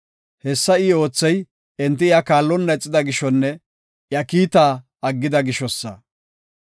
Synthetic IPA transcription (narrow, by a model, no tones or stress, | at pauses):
hɛsːɐɪo̞ːt͡sːɛj | ɛnt̪ːɪjakaːlːɔnːɐɛt͡sʼːɪd̪ɐɡɪʃɔnːɛ | jɐkiːt̪aː | ɐɡːɪd̪ɐɡɪʃɔsːɐ̰